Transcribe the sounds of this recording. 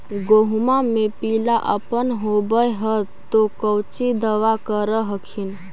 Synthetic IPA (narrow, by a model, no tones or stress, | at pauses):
ɡoɦmamepilaʔəpənɦobəɦət̪okəwt͡ʃid̪əʋakəɾəɦəkʰin